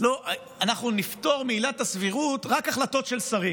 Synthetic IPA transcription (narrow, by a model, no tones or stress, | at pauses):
lo̞ʔ | anaχnunift̪o̞ʁmeilatasviʁutʁakaχlato̞tʃe̞lsaʁi